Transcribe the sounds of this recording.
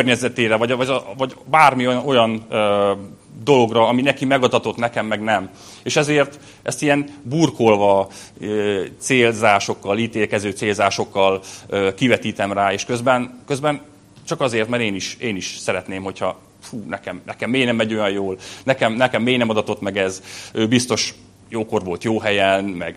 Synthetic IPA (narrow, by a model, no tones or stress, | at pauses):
kørɲɛzɛt̪eːɾɛvɒɟvɒɟɒvɒɟbaːrmio̞jɒnø | d̪o̞lo̞ɡrɒɒminɛkimɛɡɒd̪ɒt̪o̞t̪nɛkɛmːɛɡnɛm | eːʃɛzeːrt̪ | ɛst̪ijɛnbuːrkolvɒ | øt̪seːlzaːʃo̞kːɒliːt̪eːlkɛzøːt̪seːlzaːʃo̞kːɒløːkivɛt̪iːt̪ɛmraːeːʃkø̞zbɛnkø̞zbɛn | t͡ʃɒkɒzeːrt̪mɛɾeːniʃeːniʃsɛɾɛt̪neːmho̞chɒ | fuːnɛkɛmnɛkɛmːeːjnɛmːɛɟo̞jɒjjoːlnɛkɛmnɛkɛmːeːjnɛmɒd̪ɒt̪o̞t̪mɛɡɛzøːbist̪o̞ʃ | joːko̞rʋo̞lt̪joːɦɛjɛnmɛɡ